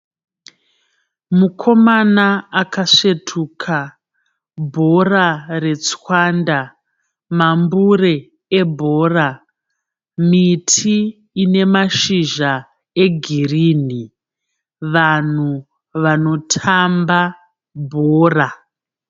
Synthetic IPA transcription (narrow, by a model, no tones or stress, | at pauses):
mukʰo̞manaakaʂetʰuːkʰa | bʱo̞rare̞t͡swanda | mambuɾe | ebʱoːra | mitʰiː | ne̞maʃiʒa | eɡʱiriːni | ʋan̤u | ʋano̞tʰamba | bʱoːra